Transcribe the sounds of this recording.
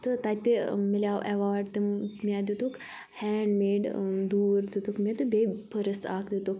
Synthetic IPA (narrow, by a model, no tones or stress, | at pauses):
t̪ɨt̪at̪emilaːwʔɛʋaːɾɖt̪emmʲad̪ut̪uk | hɛːɖmeːɖd̪uːɾd̪ut̪ukmet̪ubʱepʰəɾəsa̰ːkd̪ut̪uk